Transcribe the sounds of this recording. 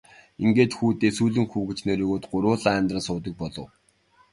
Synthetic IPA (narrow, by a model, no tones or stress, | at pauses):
iŋɡeːt̪xuːt̪eːsuːɮɵ̆ŋxuwɡĕt͡ɕneɾoːɣoːt̪ɢʊɾʊːɮæːnt̪rə̆nsʊːt̪ə̆k̚pɔɮɞ̆w